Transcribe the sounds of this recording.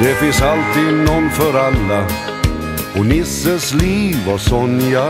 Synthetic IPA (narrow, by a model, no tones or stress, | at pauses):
d̪̥ɛfɪnsalt̪iːd̪nɔnːfœɾalːa | ɔnɪsːəsliːvasɔnja